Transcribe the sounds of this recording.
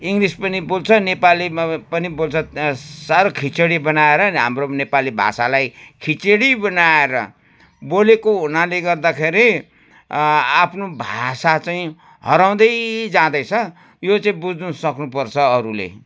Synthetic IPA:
iŋɡrispʌnibolt͡sʰʌnepalipʌnibolt͡sʰʌsaɾokʰit͡sʌɽibʌnaeɾʌniɦa̰mronepalibʱa̰salajkʰit͡seɽibʌnaeɾʌ̰ | bolekoɦunaleɡʌrd̪akʰeɾi | apʰnobʱa̰sat͡saĩ | hʌɾaw̃d̪ʌjd͡zãd̪ʌjt͡sʰʌ | jot͡saĩbud͡znusʌknupʌrt͡sʰʌːɾulḛ

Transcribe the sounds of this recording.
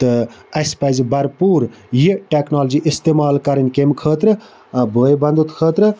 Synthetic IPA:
t̪ɨɐsʲpɐzbɐɾpuːɾjiʈeknoːld͡ʒiʔist̪eːmaːlkɐɾənʲkemkʰəːt̪ɾɨ | bəːjbɐnd̪ut̪kʰəːt̪ɾɨ

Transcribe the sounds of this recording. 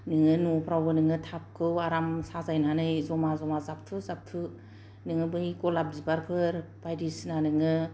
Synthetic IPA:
nɯŋɯnupʰɾawɡɯnɯŋɯtʰap̚kʰɯwaɾamsazajnanɯjzɔmazɔmazap̚tʰɯzap̚tʰɯ | nɯŋɯbɯjkɔlab̚dibaɾpʰɯɾpajɾisnanɯŋɯ

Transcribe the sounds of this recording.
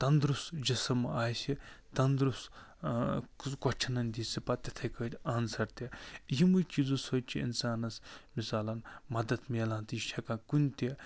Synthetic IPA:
t̪ɐnd̪ɾusd͡ʒɐsɐmaːjsit̪ɐnd̪ɾus | kɔt͡ʃʰɐnɐnʲd̪ʲiːsipat̪ʲɐt̪ʰɐkɐtʲaːnsɐɾt̪ejimujt͡ʃiːzũsoːt͡ʃʰiḭnsaːnɐsmisaːlɐnmɐd̪ɐt̪meːlãːnt̪iːʃʰɐkãːkunʲt̪e

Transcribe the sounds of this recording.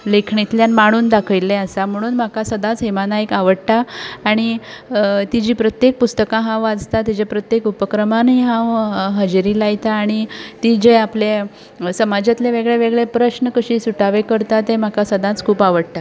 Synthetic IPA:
lekʰɳit̪ljanmaɽ̃uːnd̪akʰəjlːeasam̤əɽ̃uːnm̤akasəd̪ãt͡sɦemanajkaʋəɽʈ̪aːɽ̃i | t̪id͡ʑiːpɾət̪jek̚pust̪əkãɦãwʋad͡zt̪at̪id͡ʑepɾət̪jekupəkɾəmanɦiːɦãwɦəd͡ʑɾiːlajt̪aːɽ̃it̪id͡ʑeaple | səmad͡ʑat̪leʋeɡɭeʋeɡɭepɾəɕnəkəɕiːsuʈaʋekəɾt̪at̪em̤akasəd̪ʱãt͡skʰuːpaʋəɽt̪a

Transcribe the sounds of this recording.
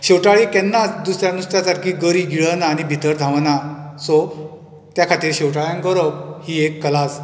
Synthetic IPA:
ɕewʈaɭiːkɛnːat͡sd̪usɾjanust̪jasaɾkiːɡəɾiːɡiɭənaːnibʱit̪əɾd̪ʱãʋnasɔ | t̪jakʰat̪iːɾɕewʈaɭjãŋɡəɾəb̚hiːekːəlas

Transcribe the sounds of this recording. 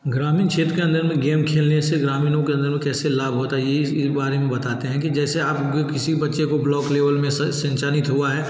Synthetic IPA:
ɡɾaːmĩːnt͡ʃʰeːt̪ɾkeɐ̃nd̪əɾmẽɡeːmkʰeːlneseɡɾaːmiːnõkeɐ̃nd̪əɾmẽkɛːselaːbʱɦoːt̪ajeiɪsbaːɾemẽbɐt̪aːt̪eɦɛ̃kid͡ʒɛːseaːpkɪsibɐtːʃekoblɔːkleːʋəlmẽssɐ̃nt͡ʃaːnɪt̪ɦuaɦɛː

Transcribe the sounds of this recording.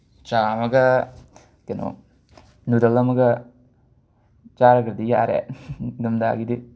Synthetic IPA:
t͡ʃamɐɡɐ | keno̰ | nud̪ɐlɐmɐɡɐ | t͡ʃaɾɐɡɐɾd̪ija̰ɾḛɡɐmd̪a̰ɡid̪i

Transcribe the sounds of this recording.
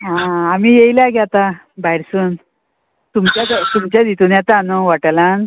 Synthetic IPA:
ɦãːmiːjejlaɡjat̪a | bajɾsuːn | t̪umt͡ɕjad̪t̪umt͡ɕjad̪it̪unjat̪anoʋaʈəlan

